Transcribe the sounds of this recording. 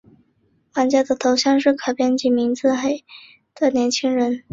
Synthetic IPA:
wa˧˥nt͡ɕja˥˩d̪ə˨t̪ʰo˧˥ʊɕjɑ˥˧ŋʂɻ̩˥˩kʰɑ˨˩pjɛ˥nt͡ɕi˧˩mi˧˥ŋt͡sɹ̩˥˧xe˥˩ɪ | t̪ə˨˩njɛ˧˥nt͡ɕʰi˥ŋɻə˧˥n

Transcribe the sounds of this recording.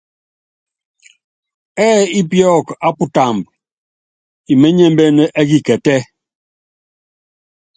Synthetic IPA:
ɛː˦i˦pjɔ˦˨ka˦pu˦ta˨mb̚ | i˨mɛ˦ɲɛ˦m˦bɛ˦nɛ˦ʔɛ˦ɡi˨kɛ˨tɛ˦

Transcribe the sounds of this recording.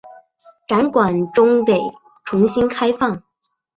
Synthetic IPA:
ka˧˥nkwa˨˩nʈ͡ʂʊ˥ŋt̪e˨˩ɪ | ʈ͡ʂʰʊ˧˥ŋɕi˥nkʰa˥ɪfɑ˥˩ŋ

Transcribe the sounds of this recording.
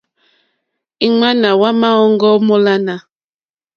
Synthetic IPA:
i˦ŋa˦na˨wa˦ma˦ɔ˦ŋ˦ɡɔ˦mɔ˦la˦na˨

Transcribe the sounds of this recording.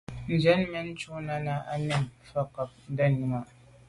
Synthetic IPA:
n˨d͡ʒɛ˦nmɛ˦nt͡ʃu˦na˦na˦ʔa̰˦nɪ˦nfa˦ka˨p̚da˦ni˦ma˦˨

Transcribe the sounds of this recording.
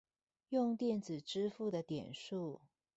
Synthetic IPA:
jʊ˥˧ŋt̪jɛ˥˩nt͡sɹ̩˨˩ʈ͡ʂɻ̩˥fu˥˩d̪ə˩t̪jɛ̰˨˩nʂu˥˩

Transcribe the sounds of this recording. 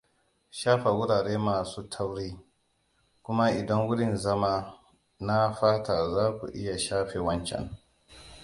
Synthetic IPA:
ʃaː˦ɸa˨wʊ˦ɽaː˨ɽeː˦maː˨suː˦tʰa˦wɽeː˦ | kʷʊ˦ma˦ʔɪ˨dɐ˦ŋwʊ˦ɽɪ˦˨nzɐ˦maː˦ | na˦ɸaː˦ta˨zaː˦kʷṵ˨ʔɪ˦ja˨ʃaː˦ɸeː˨wɐ˦nt͡ʃɛ̰˨n

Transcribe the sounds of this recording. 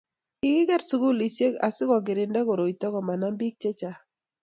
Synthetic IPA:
kɪ˦ɡɪ˦ɡɛ˦ɾsu˦ɡu˦li˨sje˦ɡa˨sɪ˦kɔ˨ɡɪ˨ɾɪ˨ndɛ˦ko˨ɾo˨i˨t̪ɔ˦kɔ˨ma˨na˦mbi˦k̚t͡ʃe˦t͡ʃa˨

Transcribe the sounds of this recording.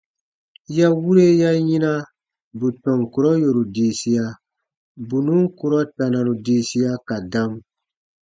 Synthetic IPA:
ja˦wu˦ɾe˦ja˦jĩ˦na˦ | bu˨tɔ̃˨ŋku˨ɾɔ˦jo˨ɾu˨diː˨si˦ja˨ | bu˨nũ˦ku˦ɾɔ˦ta˨nã˨ɾu˨diː˨˦si˦ja˦ka˨dã˦m

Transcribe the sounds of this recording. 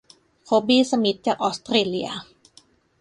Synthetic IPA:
kʰo˨˦˥biː˧˩sa˧mi˨˦t̪̚t͡ɕaː˨˩k̚ʔɔː˧˦˥st̪ɾeː˧˩li˧a̰ɐ

